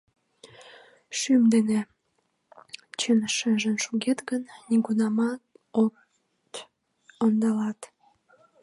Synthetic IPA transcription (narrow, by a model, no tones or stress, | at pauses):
ʃymd̪ene | t͡ɕənʃəʒənʃuɣet̪ɡənːiɡunɑmɑ | o | t̪ | ond̪ɑlɑt̪